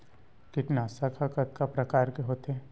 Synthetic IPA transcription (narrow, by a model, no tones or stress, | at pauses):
kɪʈnaːsakʰakət̪̚kapɾɐkaːɾkeɦoːt̪eː